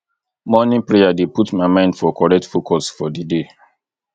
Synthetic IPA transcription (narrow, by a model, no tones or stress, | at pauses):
mɔnĩnpɹejadeputmaɪmãɪ̃ndfɔkɔɹɛk̚tfokʰɔsfɔdide